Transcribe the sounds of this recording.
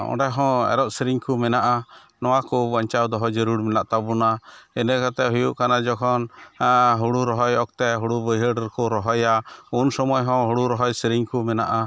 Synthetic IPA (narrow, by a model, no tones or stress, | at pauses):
ɔ̰̃ɖɛɦɔ̃ɛ̰ɾɔʔsiɾiŋkumɛnaʔa | nɔwakubaɲt͡ʃawd̪ɔɦɔd͡ʒəɾuɽmɛnaʔt̪abunaɛnɛkat̪ɛɦujuʔkanad͡ʒɔkʰɔn | ɦuɽuɾɔɦɔjɔk̚t̪ɛɦuɽubəjɦəɖɾkɔɾɔɦɔjaunsɔmɔjɦɔ̃ɦuɽuɾɔɦɔjsɾiŋkumɛna̰ʔa